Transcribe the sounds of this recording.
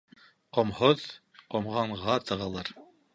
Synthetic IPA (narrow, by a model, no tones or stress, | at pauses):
qŏmhoð | qomʁɑɴʁɑt̪ɤ̆ʁɑlˠɑɾ